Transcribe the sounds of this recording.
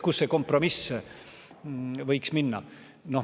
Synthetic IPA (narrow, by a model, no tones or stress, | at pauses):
kusːeko̞mpro̞mis | vɤ̞jksminːɑ̰ | no